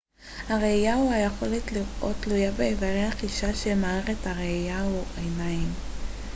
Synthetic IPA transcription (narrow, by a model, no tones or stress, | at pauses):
haʁejauajeχo̞letliʁʔo̞̰tlujabeːvaʁejhaχiʃaʃemaːeʁethaʁejauajnaim